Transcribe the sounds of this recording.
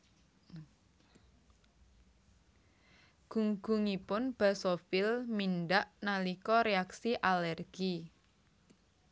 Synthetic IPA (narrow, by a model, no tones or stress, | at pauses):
ɡ̥uŋɡ̥uŋipʊnb̥asofilminɖaʔnalikɔɾeaksiʔalɛrɡ̥i